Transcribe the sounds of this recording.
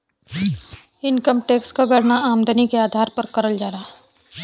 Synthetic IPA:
ɪnkəmʈeːkskaɡɐɽnaaːmd̪ʱənikeaːd̪ʱaːɾpəɾkɐɾəld͡ʒaːɾaː

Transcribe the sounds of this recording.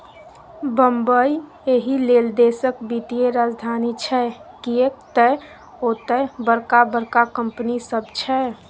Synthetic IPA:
bəmbəi | eɦileːld̪eːsək̚bit̪ieɾaːd͡ʒd̪ʱaːnit͡ʃʰɛkiek̚t̪ə | ot̪əbəɾkabəɾkakə̃mpnisəbt͡ʃʰɛ

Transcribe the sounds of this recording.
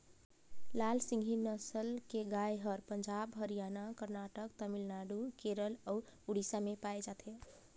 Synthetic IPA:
lalsĩŋɡʱinəsəlkeɡajɦəɾpənd͡ʒabɦəɾijanakəɾnaʈəkt̪əmilnaɖukeɾələuɽisamepajd͡ʒat̪ʰe

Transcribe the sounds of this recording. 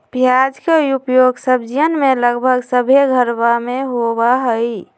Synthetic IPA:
bʱijad͡ʒkeupjoɡsəbd͡ʒijənmeləɡbʱəɡsəbʱeɡʱəɾbameɦobaɦəj

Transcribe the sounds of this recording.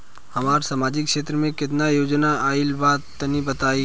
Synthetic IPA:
hɐmaːɾsaːmaːd͡ʒɪkʃeːt̪ɾəmẽkɪt̪najoːd͡ʒnaaːɪlbaːt̪ːənibɐt̪aːiː

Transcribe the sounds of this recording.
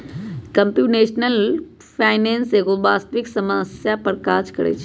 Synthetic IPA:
kə̃mpjuneːʃnəl | pʰaːɪnẽːnseɡoːbaːst̪əʋɪksəməsjapəɾkaːd͡ʒkəɾḛːt͡ʃʰ

